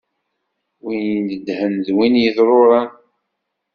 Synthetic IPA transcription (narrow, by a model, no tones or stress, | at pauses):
winjəəd̪hənðwinjəðɾˤoɾˤɑn